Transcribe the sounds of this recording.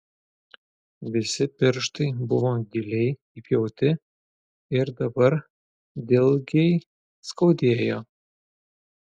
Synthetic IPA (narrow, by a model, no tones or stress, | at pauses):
ʋʲɪsʲɪpʲɪɾʃt̪ɐɪbʊʋoɡʲɪlʲɛj | ipʲjɛʊt̪ʲɪ | ɪɾd̪ɐbɐɾ | d̪ʲɪlˠɡʲej | skɐʊd̪ʲeːjo